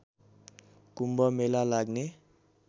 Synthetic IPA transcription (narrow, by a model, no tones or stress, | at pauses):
kumbʌmelalaɡne